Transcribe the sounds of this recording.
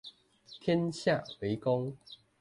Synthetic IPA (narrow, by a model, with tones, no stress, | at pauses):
t̪ʰjɛ˦nɕja˥˨we˨˦jkɔ˦ŋ